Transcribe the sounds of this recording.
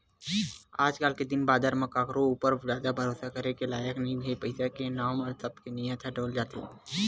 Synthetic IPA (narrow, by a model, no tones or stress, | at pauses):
aːd͡ʒkaːlked̪ɪnbaːd̪aɾmɐkaːkɾõuːpəɾjaːd̪abʱəɾoːsakəɾekelaːjəknɐĩbʱepɐɪsakenaːmɔːɾsɐb̪̚kenijət̪ʰɛɖoːld͡ʒaːt̪i